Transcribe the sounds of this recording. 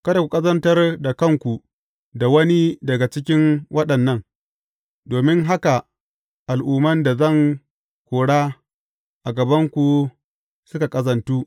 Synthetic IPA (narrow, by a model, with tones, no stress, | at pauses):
kɐ˦da˨kʷu˨kʼɐ˦zɐ˦ntɐ˦rda˨kɐ˦ŋkʷu˨ | da˨wɐ˦ni˦dɐ˨ɡa˨t͡ʃɪ˦k̬ʲɪ˦nwʔɐ˦ɗɐ˨nːɐ˦n | doː˨mɪ˦ŋɦa˦ka˨ | ʔa˨lʔuː˨mɐ˦nda˨zɐ˦˨ŋ | kʷoː˨ɽaː˦ | ʔa˨ɡɐ˨bɐ˦ŋkʷu˨ | sʊ˦ka˨kʼɐ˦zɐ˨ntuː˦